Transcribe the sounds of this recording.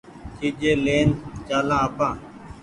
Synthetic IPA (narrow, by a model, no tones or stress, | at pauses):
t̪ʰiːd͡ʒeːleːnt͡ʃaːlãːəpãː